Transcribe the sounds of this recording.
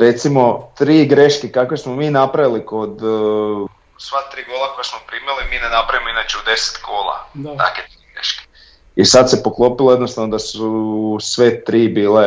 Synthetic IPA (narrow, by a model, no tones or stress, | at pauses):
ɾe̞t̪simo̞t̪ɾiːɡɾe̞ʃkekakʋe̞smomiːnapɾaʋiliko̞d̪ | sʋat̪ɾiːɡoːlˠakojesmopɾiːmilimiːnenapɾaʋimoinat͡ʃeud̪e̞se̥t̪ɡoːlˠa̰a̰ket̪ɾiɡɾḛʃke̥ | isad̪se̞po̞klˠo̞pilˠojed̪nost̪aʋnod̪asusʋe̞t̪ɾiːbiːle